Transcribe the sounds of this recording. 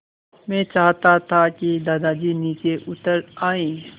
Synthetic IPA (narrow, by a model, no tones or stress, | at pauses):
mɛ̃ːt͡ʃaːɦt̪at̪ʰakid̪aːd̪ad͡ʒiniːt͡ʃeʔʊt̪əɾaːẽː